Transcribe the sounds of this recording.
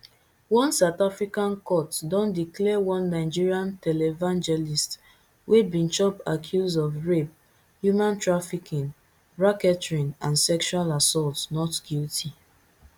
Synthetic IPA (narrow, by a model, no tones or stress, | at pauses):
wɔ̃nsaʊtafɹikãnkɔtdɔ̃ndiklɛwɔ̃nːaɪd͡ʒiɹiãntɛlɛvãnd͡ʒɛlist | webĩnt͡ʃɔpakʰjuzɔvɹep̚ | hjumãntɹafikĩn | ɹakɛtɹĩnãnsɛkʃualasɔltnɔtɡ̥iltʰi